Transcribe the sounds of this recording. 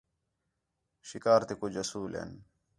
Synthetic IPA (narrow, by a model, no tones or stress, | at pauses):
ɕikaːɾt̪ikud͡ʑɐsuːlḛn